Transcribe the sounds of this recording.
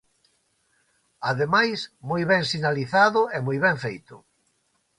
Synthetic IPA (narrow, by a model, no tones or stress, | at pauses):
aðemajsmojβɛŋsinaliθaðʊɛmojβɛɱfejt̪ʊ̰